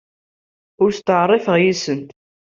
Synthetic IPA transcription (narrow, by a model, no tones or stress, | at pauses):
ʊɾst̪əʕrˤːefəʁjisənt̪